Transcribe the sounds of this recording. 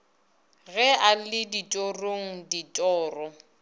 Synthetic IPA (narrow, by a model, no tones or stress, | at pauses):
ɣɛalɪditʼoroŋ̩ditʼɔːrɔ